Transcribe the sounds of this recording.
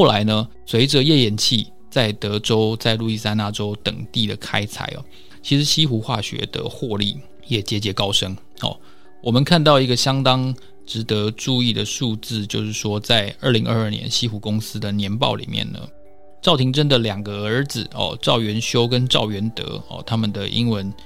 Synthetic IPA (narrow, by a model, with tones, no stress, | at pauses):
xo˥˩la˧˥ɪnə˧ | swe˧˥ɪʈ͡ʂə˨jɛ˥˩jɛ˨˩nt͡ɕʰi˥˧ | t͡sa˥˩ɪt̪ɤ˧˥ʈ͡ʂo˥ʊt͡sa˥˧ɪlu˥˧i˥˩sa˥˧ɪna˥˩ʈ͡ʂo˥ʊt̪ə̰˨˩ŋt̪i˥˩d̪ə˩kʰa˥ɪt͡sʰa̰˨˩ɪɐ̰˩ | t͡ɕʰi˧˥ʂɻ̩˧˥ɕi˥xu˧˥xwa̰˥˩ɕɥɛ̰˧˥d̪ə̰˧xwɔ˥˧li˥˩ | jɛ˨˩t͡ɕjɛ˧˥t͡ɕjɛ˧˥kɑ˥ʊʂə˥ŋ | xɔ̰˨˩ | wɔ˨˩mə˨˦nkʰa˥˧nt̪̬ɑ˥˩ʊi˧˥ɡə˨ɕjɑ˥ŋt̪ɑ˥ŋ | ʈ͡ʂɻ̩˧˥t̪ɤ˧˦ʈ͡ʂu˥˧i˥˩d̪ə˩ʂu˥˧t͡sɹ̩˥˧t͡ɕjo˥˧ʊʂɻ̩˥˩ʂwɔ˥t͡sa˥˧ɪə˞˥˩li˧˥ŋʔə̰˥˧ə˞˥˩njɛ̰˧˦nɕi˥xu˧˥˩kʊ˥ŋsɹ̩˥d̪ə˨njɛ˧˥npɑ̰˥˩ʊlḭ˨˩mjɛ̰˥˩nnə̰˩ | ʈ͡ʂɑ˥˩ʊt̪ʰi˧˥ŋʈ͡ʂə˥nd̪ə˨ljɑ˨˩ŋɡə˦ə˞˧˥d͡zɹ̩˨˩ɔ̰˨ʈ͡ʂɑ˥˩ʊɥɛ˧˥nɕjo˥ʊkə˦nʈ͡ʂɑ˥˨˩ʊɥɛ˧˥nt̪ɤ̰˧˥˦ɔ̰˨t̪ʰa˥mə˨nd̪ə˩ʔḭ˥ŋwə˧˥n